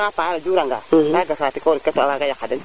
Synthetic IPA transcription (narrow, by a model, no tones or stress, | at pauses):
kapalad͡ʒuɾãŋɡa̰naɡasatikaɾikɛsɔabaɡajakadɛ̃